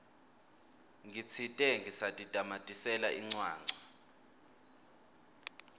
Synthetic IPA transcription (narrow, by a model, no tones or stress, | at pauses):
ŋɡʱit͡sʰitʼɛŋɡisatʼitʼamatʼisɛlaʔiŋ͡ǀwaːŋ͡ǀʱa